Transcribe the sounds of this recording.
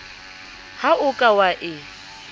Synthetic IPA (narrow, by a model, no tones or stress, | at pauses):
haʔʊkʼawaʔɪ